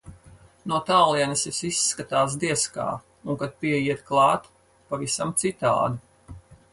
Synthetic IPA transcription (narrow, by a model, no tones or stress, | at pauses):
nuɔt̪aːlˠiɛnisisisːkat̪aːs̬d̪iɛska̰ː | uŋkat̪̚piɛjiɛt̪klˠɑːt̪ | pavisamt̪sit̪a̰ːd̪u